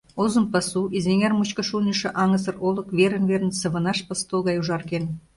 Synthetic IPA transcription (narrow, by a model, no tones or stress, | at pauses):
ozə̆mpə̆suʔizeŋermut͡ɕkə̆ʃulniʃĕʔɑŋəsə̆rolə̆kβeɾə̆nβerənsə̆βə̆nɑʃpəst̪olɣɑjuʒɑrken